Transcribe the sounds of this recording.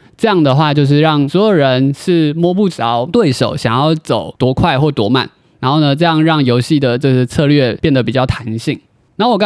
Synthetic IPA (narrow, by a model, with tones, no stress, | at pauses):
ʈ͡ʂɤ˥˧jɑ˥˩ŋd̪ə˩xwa˥˧t͡ɕjo˥˧ʊʂ̬ɻ̩˥˧ɻɑ˥˩ŋswɔ˧˥jo˨˩ʊɻə˧˦nʂɻ̩˥˧mwɔ˥pu˥˩t͡sɑ˧˦ʊt̪we˥˩ɪʂo˨˩˦ʊɕjɑ˨˩ŋjɑ˥˩ʊt͡so˨˩ʊt̪wɔ˧˥kʰwa˥˧ɪxwɔ˥˩t̪wɔ˧˥ma̰˨˩˦n | ɻa˧˥nxo˥˩ʊnə˩ʈ͡ʂɤ˥˧jɑ˥˧ŋɻɑ˥˩ŋjo˧˥ʊɕi˥˩d̪ə˩ʈ͡ʂɤ˥˧ʂ̩˥˧t͡sʰɤ˥˧lɥɛ˥˧pjɛ˥˩nd̪ə˩pi˨˩t͡ɕjɑ˥˩ʊt̪ʰa˧˥nɕi˥˩ŋ | na˥˩wɔ˨˩k